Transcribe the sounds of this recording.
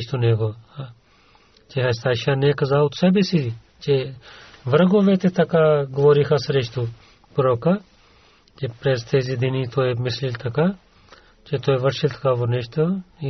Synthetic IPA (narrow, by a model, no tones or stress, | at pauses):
t͡ʃʰt̪uneːɡoːa | t͡ʃeɦɐst̪aːʃaːneːkɐzaːt̪sebesii | t͡ʃe | ʋɐɾɡoːʋeːt̪et̪ɐkaːɡʋoːɾiːkʰasɐɾet͡ʃʰt̪u | pʊɾoːka | t͡ʃepɾeːst̪ʰeːziːd̪iniːt̪ʰoːemɪslilt̪ʰɐka | t͡ʃet̪ʰoːeʋɐʈʃilt̪ʰɐ̥kaːʋoneʃt̪o